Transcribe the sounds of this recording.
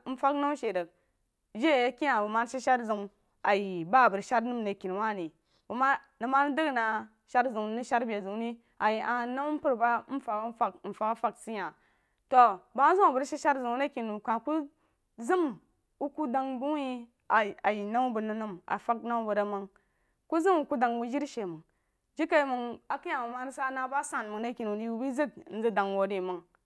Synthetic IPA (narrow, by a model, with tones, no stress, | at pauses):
n̩˦fa˦kna˦wʃe˨də˨k̚ | d͡ʒe˦˨a˦ki˦ja˨bu˨ma˦n˦ʃi˦ʃa˦ɾzu˨m | a˨ji˨ba˦˨bə˨ɾʃa˦ɾnu˦m˨ne˨ki˨n˨wa˦˨ni˨ | bu˨ma˦ | nə˨ma˦n˦də˦ɡna˨ | ʃa˦ɾzu˨ŋ˦ni˦ʃa˦ɾbe˨zu˨ni˦ | a˨ji˨ʔa˨na˦m˦pu˦ɾba˦n̩˦fa˨˦fa˨kn̩˨fa˨˦ka˦fa˦ksi˦ja˨ | to˨ba˦zu˦wa˨bə˨ɾʃi˦ʃa˦ɾzu˨˦na˦ki˨nu˨kã˨ku˦ | zi˦m | wu˦ku˦da˨ŋbu˦ji˦ | a˨a˨ji˨na˦mu˦bu˨nu˦nu˦ma̰˨fa˦k̚na˦u˦bə˨ɾa˦ma˨ŋ | ku˦zɨ˦mu˦ku˦da˨ŋwu˦d͡ʒi˦ɾʃe˨mə˨ŋ | d͡ʒi˦ka˨˦mə˨ŋa˨ki˦ja˨wu˨ma˦ni˦sa˦na˨ba˦sa˨n˨mu˨ŋna˦ki˨nu˨di˦u˦bi˦zi˦ɡ̚n̩˦zi˦da˨ŋwo˨di˨mə˨ŋ